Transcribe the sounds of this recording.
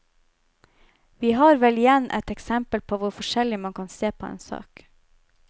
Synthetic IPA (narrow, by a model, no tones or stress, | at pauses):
ʋiːɦɑːɾʋɛlɪjɛnʔɛ̰t̪ɛksɛmpəlpʰoːʋʊɾfɔʃɛlɪmɑŋkʰɑnseːpʰoːḛːnsɑ̰ːk